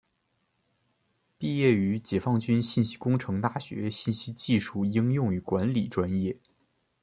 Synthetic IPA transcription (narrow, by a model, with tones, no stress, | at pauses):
pi˥˧jɛ˥˩y˧˥t͡ɕjɛ˨˩fɑ˥˩ŋt͡ɕy˥nɕi˥˩nɕi̥˥kʊ˥ŋʈ͡ʂʰɤ˧˥ŋt̪a˥˩ɕɥɛ̰˧˥ɕi˥˩nɕi˥t͡ɕi˥˧ʂu˥˩i˥ŋjʊ˥˩ŋy˧˥kwa˧˥nli˨˩ʈ͡ʂwa˥njɛ˥˩